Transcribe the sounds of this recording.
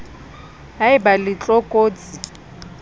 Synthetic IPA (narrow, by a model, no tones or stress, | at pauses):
ɦaɪbalɪt͡ɬʼɔkʼoːt͡sʼi